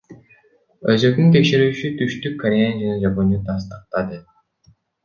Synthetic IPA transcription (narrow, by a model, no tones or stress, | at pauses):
øzøknynt̪̬ekʃe̞ɾyːt͡ʃyt̪ʰyʃt̪ykʰːɐɾʲejand͡ʒanɑd͡ʒɑponit̪ɑs̬t̪ɯ̥q̚t̪ɑd̪ɯ